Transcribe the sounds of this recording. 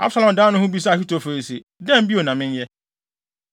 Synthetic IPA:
a̰˦bsa˦lɔ̃˨m˨dãː˦nʊ̃˦hʊ̃˦bi˦s̬a˦a˨ɕᶣi˦to˨fo˨ɾi˨se˨ | dɛ̃˦m̩˦bi˦o˨nã˨mɪ̃˦njɛ˦

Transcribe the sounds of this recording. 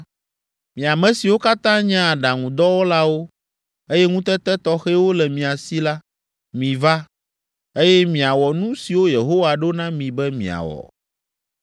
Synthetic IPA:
mĩ˨a˨mɛ̃˨si˨wo˦ka˦t̪ã˦ɲɛ̃˦a˨ɖa˨ŋũ˨d̪ɔ˦wo˦la˦wo˦ | e˦jɛ˦ŋũ˦t̪ɛ˦t̪ɛ˦t̪ɔ˦xɛ˦wo˦lɛ˨mĩ˨a˨si˦la˦ | mĩ˨va˦ | e˦jɛ˦mĩ˨a˨wɔ˨nũ˦si˨wo˦je˨ɦo˦wa˨ɖo˦nã˦mĩ˨bɛ˦mḭ̃˨a̰˨wɔ̰˨

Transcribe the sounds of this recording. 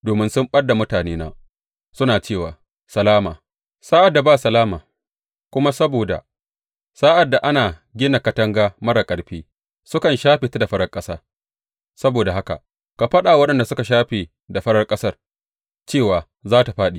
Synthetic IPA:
doː˨mɪ˦nsʊ˦mɓɐ˦da˨mʊ˦taː˨neː˦na̰ː˦ | sʊ˦naː˨t͡ʃeː˦˨waː˨ | sɐ˨laː˦maː˨ | saː˦ʔa˨dːa˨baː˦˨sɐ˨laː˦maː˨ | kʷʊ˦ma˦sɐ˦boː˨da̰˨ | saː˦ʔa˨dːa˨ʔa˦naː˨ɡʲɪ˦na˨kɐ˦tɐ˦ŋɡaː˦mɐ˦ɽa˨kʼɐ˨ɽɸiː˦ | sʊ˦kɐ˨nʃaː˦ɸeː˨ta˦da˨ɸɐ˦ɽɐ˦rkʼɐ˦saː˦ | sɐ˦boː˨da˨ɦa˦ka̰˨ | ka˨ɸɐ˦ɗaː˨wɐ˦ɗɐ˨nda˨sʊ˦ka˨ʃ̬aː˦ɸeː˨ | da˨ɸɐ˦ɽɐ˦rkʼɐ˦sɐ˦r | t͡ʃeː˦˨waː˨ | zaː˦ta˨ɸaː˦ɗiː˨

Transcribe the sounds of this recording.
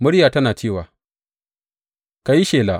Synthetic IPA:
mʊ˦ɽjaː˨tɐ˦naː˨t͡ʃeː˦˨waː˨ | ka˨ji˦ʃeː˨laː˨

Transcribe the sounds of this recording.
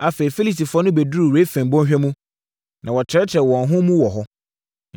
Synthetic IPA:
a˨feː˨ɾi˨fe˦li˦si˨fɔ˦nʊ̃˦be˨du˦ɾu˨ɾe˦fæ̃˨mbɔ̃˦ɕᶣɛ˦mũ˦ | nã˨wɔ˨t͡ɕʰɪ˨ɾɛ˦t͡ɕʰɪ˨ɾɛ˨wɔ̃˨n˨ɦʊ̃˦mũ˦wɔ˨ɦɔ˦

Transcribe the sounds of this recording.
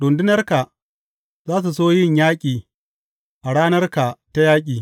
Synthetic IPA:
ɗʊ˨ndɪ˦nɐ˦rka˨ | zaː˦s̬u˨s̬oː˦jɪ˦ɲjaː˦kʲʼiː˨ | ʔa˨ɽaː˦nɐ˦rka˨ta˦jaː˦kʲʼiː˨

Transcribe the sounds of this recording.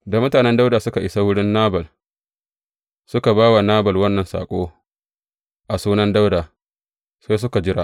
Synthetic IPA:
da˨mʊ˦taː˨nɛ˦nda˦wdaː˨sʊ˦ka˨ʔɪ˨sa˦wʊ˦ɽɪ˦nːaː˦bɐ˨l | sʊ˦ka˨baː˦wa˨naː˦bɐ˨lwɐ˦nːɐ˨nsa̰ː˨kʷʼo̰ː˦ | ʔa˨suː˦nɐ˦nda˦wda˨ | sa˦s̬ʊ˦ka˨d͡ʒɪ˦ɽa˨ʔ

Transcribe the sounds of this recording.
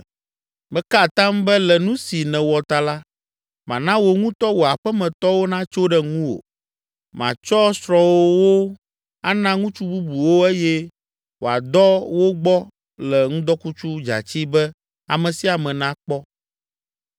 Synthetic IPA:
bɛ˦ka˦˨t̪ã˦mbɛ˦lɛ˨nũ˦si˨nɛ̃˨wɔ˨t̪a˨la˦ | mã˨nã˦wo˨ŋũ˦t̪ɔ˦wo˨a˨ɸɛ˦mɛ̃˨t̪ɔ˦wo˦nã˦t͡ʃo˦ɖɛ˦ŋũ˦wo̰˨ | mã̰˨t͡ʃɔ˦sɾɔ̃˨wo˦wo˦ | a˦nã˦ŋũ˦t͡ʃu˦bu˦bu˨wo˦e˦jɛ˦ | wo˨a̰˨d̪ɔ˦wo˦ɡ͡bɔ˦ | lɛ˨ŋũ˦d̪ɔ˦ku˦t͡ʃu˦d͡ʒa̰˨t͡ɕi˦bɛ˦ | a̰˨mɛ̃˨si˦a˨mɛ̃˨nã˦k͡pɔ˦

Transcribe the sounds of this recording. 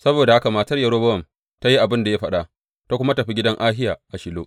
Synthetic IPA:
sɐ˦boː˨da˨ha˦ka˨maː˨tɐ˦rjɐ˨ɽoː˦bɐ˦wɐ˨m | ta˦ji˦ʔa˨bɪ˦nda˨ja˦ɸɐ˦ɗa˦ʔ | ta˦kʷʊ˦ma˦tɐ˨ɸi˦ɡʲɪ˦dɐ˦ŋʔaː˦ɦɪ˦jaː˨ʔa˨ʃɪ˨loː˦ʔ

